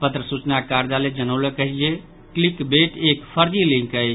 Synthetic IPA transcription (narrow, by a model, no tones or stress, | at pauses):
pət̪ɾəsut͡ʃnakaɾd͡ʒaled͡ʒənəwlekəɦid͡ʒe | klikbeʈekpʰəɾd͡ʒilĩŋkəjt͡ʃʰ